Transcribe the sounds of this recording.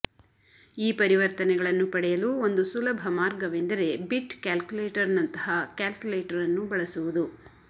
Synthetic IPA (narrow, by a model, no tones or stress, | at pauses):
iːpɐɾiʋɐɾt̪ɐnɛɡɐɭɐnːupɐɽɛjɐluːo̞nd̪usulɐbʱɐmaːɾɡɐʋend̪ɐɾe̞biʈkaːlkjuleːʈɐɾnɐnt̪ɐɦɐkaːlkjuleːʈɐɾɐnːubɐɭɐsuʋud̪u